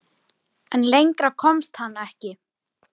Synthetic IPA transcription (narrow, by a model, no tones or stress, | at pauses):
ɛnlejŋkɾakʰɔmst̪hanːaɛhcɪ